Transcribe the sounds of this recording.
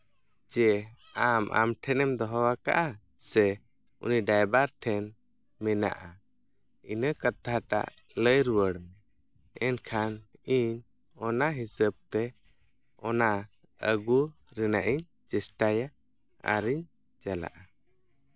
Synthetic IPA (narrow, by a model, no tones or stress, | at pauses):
d͡ʒɛ | amʔa̰mʈʰɛnɛmd̪ɔɦɔwaka̰ʔa | sɛ | ṵniɖajbaɾʈʰɛn | mɛna̰ʔa | inəkat̪ʰaʈa̰ʔləjɾuwəɽmɛ | ɛnkʰaniɲ | ɔnaɦisəb̚t̪ɛ | ɔna | əɡuɾɛnaʔiɲ | t͡ʃɛsʈaja | a̰ɾiɲ | d͡ʒala̰ʔa